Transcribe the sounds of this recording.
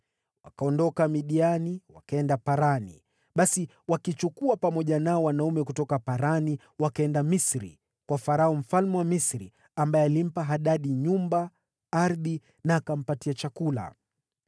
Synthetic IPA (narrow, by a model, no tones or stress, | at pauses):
wa̰kaɔndɔkamiɗianiwa̰kaɛndapaɾanḭ | ɓasi | wakit͡ʃukuapamɔʄanaɔwanaumɛkutɔkapaɾani | wakaɛndamisɾḭ | kwafaɾaɔm̩falmɛwamisɾi | ambaɛalim̩paɦaɗaɗiɲumba | aɾði | naːkam̩patiat͡ʃakula̰